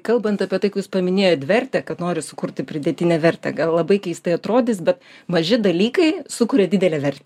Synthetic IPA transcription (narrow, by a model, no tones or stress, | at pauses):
kɐlˠbɐnt̪ɐpʲiɛt̪ɐɪkuːspɐmʲɪnʲeːjot̪ʋʲɛrʲt̪ʲɛkɐt̪noːɾʲɪsʊkʊɾʲt̪ʲɪpʲɾʲɪd̪ʲɛt̪ʲɪnʲɛʋʲɛɾʲt̪ʲɛ̰ɡɐlˠlˠɐbɐɪkʲɛɪst̪ɐɪɐt̪ɾoːd̪ʲɪsbʲɛt̪mɐʒʲɪd̪ɐlʲiːkɐɪsʊkʊɾʲɛdʲɪd̪ʲɛlʲɛʋʲɛrʲt̪ʲɛ